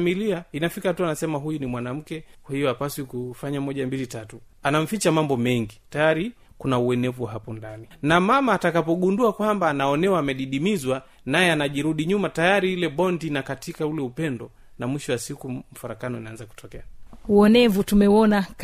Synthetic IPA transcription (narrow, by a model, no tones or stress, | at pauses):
miliainafikatuanasɛmaɦujunimwanam̩kɛkwahijɔapasikufaɲamɔʄambilitatu | anam̩fit͡ʃamambɔmɛŋɡitajaɾi | kunauɛnɛvuwaɦapɔndaninamamaːtakapɔɠunduakwambaːnaɔnɛwaːmɛɗiɗimizwa | najɛanaʄiɾuɗiɲumatajaɾiilɛɓɔndinakatikaulɛupɛndɔ | namwiʃɔwasikum̩faɾakanɔinaanzaku̥tɔkɛauɔnɛvutumɛwɔnak